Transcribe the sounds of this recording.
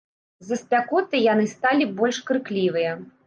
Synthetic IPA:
zɐsʲpʲakɔt̪ɨjanɨst̪alʲibɔlʲʂkɾɨklʲivɨjɐ

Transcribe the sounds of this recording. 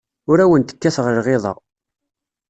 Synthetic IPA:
ʊɾæwənt̪ə̥kːæθʁəɾʁeðˤɑ̰ʁ

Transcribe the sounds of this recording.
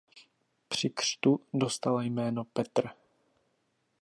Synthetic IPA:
pr̝̥ɪkr̥t̪udost̪alajmɛːnopɛt̪r

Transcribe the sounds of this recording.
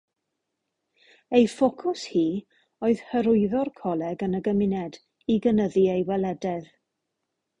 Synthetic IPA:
ejfɔkʰʊshiː | oɨð̥həɾʊɨðɔrkʰɔlˠɛɡənəɡəmɪnɛd | iɡənəðiejwɛlɛdɛð

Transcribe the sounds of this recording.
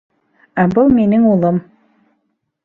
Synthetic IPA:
æbɤlˠminɘŋulˠɤm

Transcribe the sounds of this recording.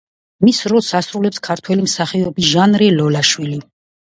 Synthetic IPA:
misɾɔlˠsasɾulɛpskʰaɾt̪ʰwɛlimsaχiɔbiʒanɾilɔlaʃwili

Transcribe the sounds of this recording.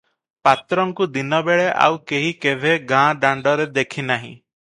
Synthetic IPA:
pat̪ɾɔŋkud̪inɔbeɭeʔa̰wkeɦikebʱeɡãɖaɳɖɔɾed̪ekʰinaɦḭ̃

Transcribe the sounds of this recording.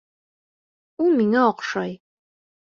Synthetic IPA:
umiŋɐɔqʷʂɐj

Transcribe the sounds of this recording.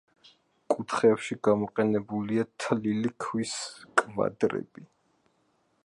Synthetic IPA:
kʼut̪ʰχɛpʃiɡamɔqʼɛnɛbuliat̪ʰlilikʰwiskʼva̰d̪ɾɛ̰b̥i

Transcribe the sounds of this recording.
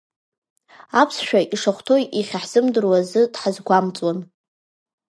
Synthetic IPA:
apʰsʃᶣaʔiʂaχʷtʰo̞jiχʲaħz̥ɨmdɨrwazɨd̥ħazɡʷamt͡sʼwan

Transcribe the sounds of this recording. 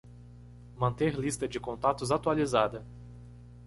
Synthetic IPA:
mɐ̃nt̪eɾlist̪ɐd͡ʒɪkõnt̪at̪ʊzat̪ualizad̪ɐ

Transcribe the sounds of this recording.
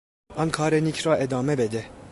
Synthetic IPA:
ɑnkʰɑːɾɛnikʰɾɑːʔed̪ɑːmɛbɛd̪ɛ

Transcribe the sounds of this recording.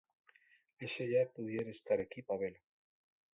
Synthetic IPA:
eʃeʝapuðjeɾest̪aɾekipaβelo

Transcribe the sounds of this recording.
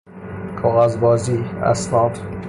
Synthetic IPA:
kʰɒɣazbɒːziæ̰snɒːd̪

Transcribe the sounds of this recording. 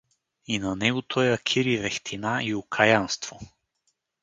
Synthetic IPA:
inɐnɛɡʊt̪ʰɔjɐkʲʰiɾivɛxt̪ʰinaiʊkʰajanst̪v̥o

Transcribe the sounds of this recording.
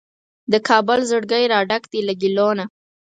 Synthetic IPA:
d̪əkʰɑbʊlzəɽɡəjɾɑɖakd̪ilaɡilona

